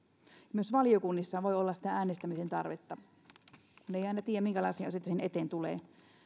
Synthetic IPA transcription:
jɑmyøsʋɑliokunːisːɑːʋoiolːɑsi̥t̪ææːnest̪æmisent̪ɑ̰rʋet̪ːɑ | kuneiɑˑinɑt̪iːjæmiŋkælɑisiɑsit̪ːæsenet̪eːnt̪ulḛː

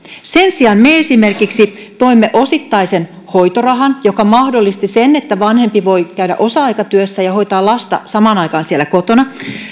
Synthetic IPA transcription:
se̞nsiɑnmeesime̞rkiksit̪o̞imːeʔo̞sit̪ːɑisen | ho̞jt̪orɑɦɑnjokɑmɑhdolːist̪isenːet̪ːæʋɑnhe̞mpiʋo̞jkæyɾæ̰ʔosɑɑjkɑt̪yøsːæjɑho̞jt̪ɑːlɑst̪ɑ̰sɑmɑˑːnɑjkɑːnsielːˑæko̞t̪onɑ

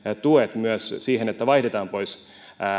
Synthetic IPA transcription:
t̪uet̪myøssiːɦenet̪ːæʋɑiht̪et̪ɑːmpo̞is

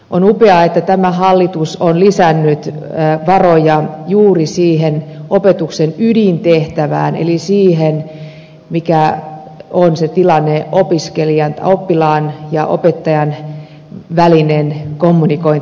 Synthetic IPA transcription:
ʔonupeɑet̪ːæt̪æmæhɑlːit̪usonlisænːyt̪ʋɑrojɑjuːrisiːhenopet̪uksenydint̪eht̪æʋæ̰ːnḛlisiːɦen | mikæ | onset̪ilɑnːeopiskeliɑnt̪æ̰opːilɑːnjɑʔo̰pet̪ːɑjɑn | ʋælinenkomːunikoin

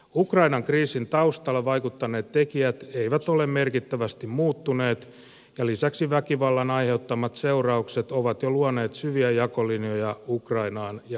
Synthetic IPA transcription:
ukrɑinɑŋkriːsint̪ɑust̪ɑlːɑʋɑjkut̪ːɑneːt̪t̪ːekiæt̪e̞iʋæt̪o̞lemme̞rkit̪ːæʋæst̪immuːt̪ːune̞ːt̪ | jɑlisæksiʋækiʋɑlːɑnɑjhe̞ut̪ːɑmːɑt̪se̞urɑukset̪oʋɑt̪joluɑne̞ːt̪syʋiæjɑkolinojɑukrɑinɑːnjɑ

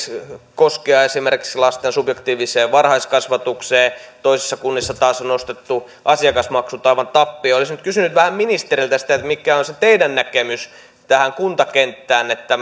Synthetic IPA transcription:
koskeɑesimerki̥kslɑst̪ensubjekt̪iːʋiseːʋʋɑrhɑiskɑsʋɑt̪ukseːt̪oisisːɑkunːisːɑt̪ɑːsonost̪et̪ːu | ʔɑsiɑkɑsmɑksut̪ɑiʋɑnt̪ɑpːiolisnyt̪kysynyt̪ʋæhæmminist̪erilt̪æsi̥t̪æet̪mikːˑæonset̪eidænnækemys | t̪æhæŋkunt̪ɑkent̪ːæːnet̪ːæ

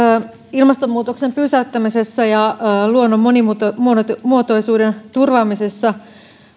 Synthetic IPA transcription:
ilmɑst̪ommuːt̪oksempyːsæyt̪ːæmisesːɑjɑluonːomːonimut̪mmuot̪o̞jsuːdent̪urʋɑːmisesːɑ

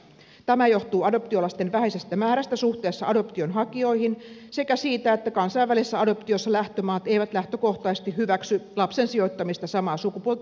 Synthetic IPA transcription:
t̪æmæjo̞ht̪uːɑdo̞p̚t̪io̞lɑst̪enʋæhesest̪æmæːɾæst̪æsuht̪e̞ːsːɑɑdo̞pt̪ionɦɑkio̞ihinsekæsiːt̪æet̪ːækɑnsɑjʋːælisesːæɑdo̞pt̪iosːɑlæht̪ømɑːt̪eijʋæt̪læht̪øko̞ht̪ɑːsest̪ihhyʋæksylɑpsensio̞t̪ːɑmist̪ɑsɑmɑːsukupuolt̪

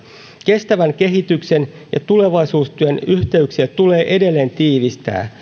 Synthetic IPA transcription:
ke̞st̪æʋæŋke̞ɦit̪ykse̞n | jɑ̰t̪ule̞ʋɑjsuːst̪yænyçt̪e̞yksiæt̪ule̞ːʔe̞de̞lːe̞ːnt̪iːʋist̪æ̰ː

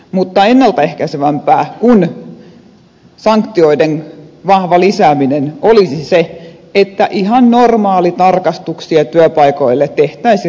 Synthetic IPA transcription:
mut̪ːɑenːɑlt̪æehkæseʋæmpæːkun | sɑŋkt̪ioidenʋɑhʋɑlisæːminenolisiseet̪ːæʔihɑnnormɑːlit̪ɑrkɑst̪uksiɑt̪yøpɑikoilːet̪ːeht̪æisi

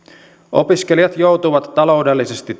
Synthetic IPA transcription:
ʔo̰piskeliɑt̪jo̞wt̪uʋɑt̪ːɑlo̞udelːisest̪it

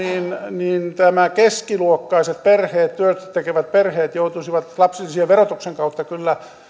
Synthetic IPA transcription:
iːnniːnt̪æmækeskiluokːɑiset̪perheːt̪t̪yøt̪t̪ekeʋæt̪̚perheːt̪jout̪usiʋɑt̪lɑpsilːisieʋʋerot̪ukseŋkɑut̪ːɑkylːæ

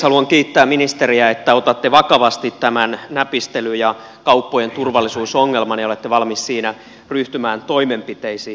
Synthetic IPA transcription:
hɑluɑŋkiːt̪ːæːmminist̪eriæet̪ːæot̪ɑt̪ːeʋɑkɑʋɑst̪it̪t̪ːæmænnæpist̪elyjɑ | kɑupːojent̪urʋɑlːˑisuːsoŋːelmɑnjɑolet̪ːeʋɑlmissiːnæ | ryht̪ymæːnt̪oimempit̪eisiː

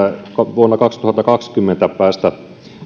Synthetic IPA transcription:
kʋuonːɑkɑkst̪uhɑt̪ːɑkɑkskymːent̪æpæːst̪æ

